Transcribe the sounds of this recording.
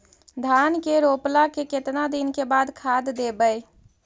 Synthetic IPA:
d̪ʱankeɾoplakeket̪nad̪inkebad̪kʰad̪d̪ebəj

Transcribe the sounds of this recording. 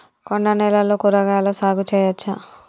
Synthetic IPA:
konɖɐnɛlɐloːkuɾɐɡaːlɐsaːɡut͡ʃɛːjɐt͡ʃːa

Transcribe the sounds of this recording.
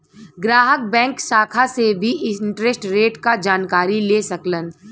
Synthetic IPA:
ɡɾaːɦək̚bɛ̃ːŋksaːkʰasebʱiʔɪɪ̃ɳʈɾesʈɾeːʈkad͡ʒaːnkaːɾileːsɐklən

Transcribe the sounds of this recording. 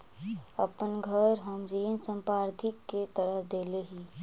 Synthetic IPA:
əpənɡʱəɾɦəmd͡ʒiːnsə̃mpɾaːɾt̪ʰɪkːet̪əɾəɦd̪eːleɦiː

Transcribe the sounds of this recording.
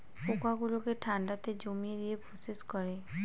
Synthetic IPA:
pokaɡulokeʈʰaɳɖat̪ed͡ʑomied̪ieposeʃkoɾe

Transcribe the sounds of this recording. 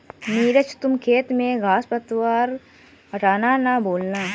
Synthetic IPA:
niːɾɐt͡ʃʰt̪ʊmkʰeːt̪mẽɡʱaːspɐt̪ʋaːɾ | ɦɐʈʰaːnaːnaboːlnaː

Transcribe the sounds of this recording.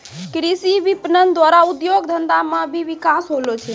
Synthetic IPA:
kɾisiʋipnənd̪waɾaud̪joɡd̪ʱənd̪amə̃bʱiʋikasɦolot͡ʃʰɛ

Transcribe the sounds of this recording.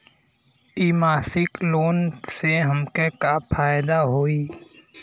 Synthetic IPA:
iːmaːsɪkloːnseɦəmkekapʰaːjd̪aɦoːiː

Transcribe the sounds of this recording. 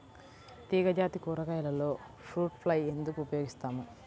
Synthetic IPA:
t̪iːɡɐd͡ʒaːt̪ikuːɾɐkɐjɐlɐlo̞ː | fɾuːʈpʰlɐje̞nd̪ukuːpɐjo̞ːɡist̪aːmu

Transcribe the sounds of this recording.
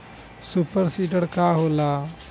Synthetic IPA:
supəɾsiːʈəɽkaːɦoːla

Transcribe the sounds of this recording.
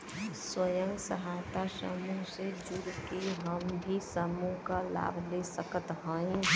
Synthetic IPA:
swəjə̃ŋɡsəɦat̪asə̰muɦsed͡ʒuɾkeɦəmbʱisəmuɦkala̰ːbʱlesəkət̪ɦə̃ĩ

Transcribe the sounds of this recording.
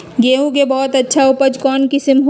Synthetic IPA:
ɡeːũkebɔːt̪ɐtːʃʰaʊpəd͡ʒkɔːnkɪsəmɦo

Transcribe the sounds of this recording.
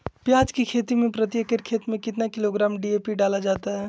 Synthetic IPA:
pjaːd͡ʒkikʰeːt̪imẽpɾət̪jəkəɾkʰeːt̪mẽkɪt̪nakɪloɡɾaːmɖieːpiɖaːlad͡ʒaːt̪aɦɛ

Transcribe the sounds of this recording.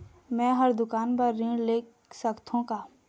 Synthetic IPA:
mɛ̃ːɦəɾd̪ʊkaːnpəɾːɪ̃ɖleːk | səkt̪ʰũkaː

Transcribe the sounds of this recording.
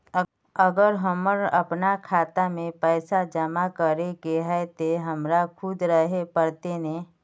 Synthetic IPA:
əɡəɾɦəməɾəpnakʰaːt̪amẽpɛːsad͡ʒəmakəɾekeɦɛt̪eɦəmɾakʰud̪ɾəɦepəɾt̪ene

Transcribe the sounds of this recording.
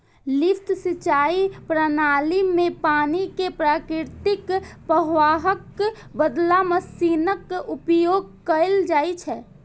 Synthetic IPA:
lɪpt̪ʰsit͡ʃaːipɾənaːlimẽpaːnikepɾaːkɾɪɾt̪ɪkpɾəɦʋaːɦək | bəd̪laməsiːnəkʊpjoːɡ̚kəɪld͡ʒaːit͡ʃʰɛː

